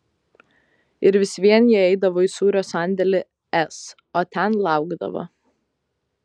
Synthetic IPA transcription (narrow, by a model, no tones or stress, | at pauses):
ɪɾʋʲɪsʲʋʲiɛnjɛɛɪd̪ɐʋoːɪisuːɾʲoːsɑˑnʲd̪ʲɛlʲɪ | ɛs | oːt̪ʲɛnlˠɑˑʊɡd̪ɐ̰ʋo̰